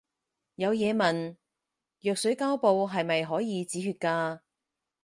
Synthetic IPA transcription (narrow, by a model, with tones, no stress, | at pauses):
jɐ˨˧wjɛː˨˧mɐ˨n | jœː˨k̚sɵ˨˥ɥkaː˥wpo˨˧wɦɐ˨jmɐ˨jɦɔː˨˥jiː˨˧t͡siː˨˥ɦyː˧t̚kaː˧